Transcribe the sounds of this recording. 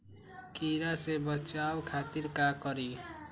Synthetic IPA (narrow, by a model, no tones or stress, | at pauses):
kiɾasebʌt͡ʃawkʰat̪iɾkakʌɾi